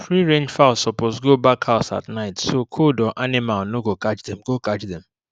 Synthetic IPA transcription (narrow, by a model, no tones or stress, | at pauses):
fɹiɹẽnd͡ʒfaʊlsɔpozɡobakhaʊsa̰tnaɪtsokʰodɔʔanɪmalnoɡokat͡ʃdɛ̃mɡokat͡ʃdɛ̃m